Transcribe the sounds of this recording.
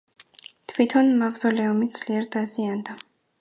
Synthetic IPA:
t̪ʰwit̪ʰɔnmavzɔlɛɔmid̪z̥ʰliɛɾd̪aziand̪a

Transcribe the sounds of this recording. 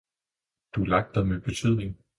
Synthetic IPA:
d̥ulɑ̈ɡ̥̚d̥ɐðˠmeb̥e̝t͡sʰyð̰ˠne̝ŋ

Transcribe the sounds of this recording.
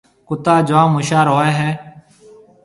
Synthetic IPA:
kʊt̪aːd͡ʒãːmʊʃaːɾoːeːɦɛː

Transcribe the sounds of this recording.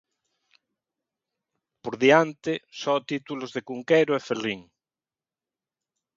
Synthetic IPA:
poɾðiant̪esɔt̪it̪ulozðekuŋkeɾoɛferiŋ

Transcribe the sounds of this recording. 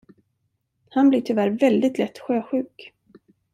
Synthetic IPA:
hanblɪʈʰʏvæɾvɛld̪ɪt̪lɛt̪ːɧøːɧʉ̟ːk

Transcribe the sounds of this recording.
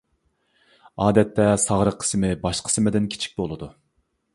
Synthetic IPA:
ɑːd̪ɛt̪ːɛsɑʁɾəqʰːə̥smɪbɑʃqʰə̥sɪmɪd̪ɪnkʲʰi̥t͡ʃʰi̥k̚ʲbolˠɨd̪u

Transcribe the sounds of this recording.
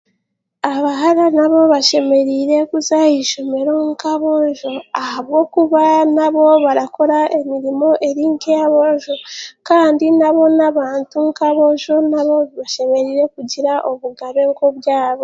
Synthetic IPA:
aβaɦaɾanaβo̞βaʃe̞me̞ɾiɾe̞kuzajiʃome̞ɾoŋkaβoʒo̞ahaβɡo̞kuβanaβo̞βaɾako̞ɾaʔe̞miɾimo̞ʔe̞ɾiŋkejaβoʒokaːndinaβo̞naβaːntuŋkaβo̞ʒonaβo̞βaʃe̞me̞ɾiːɾe̞kuɟiɾaʔoβuɡaβe̞ɡoβjaːβo̞

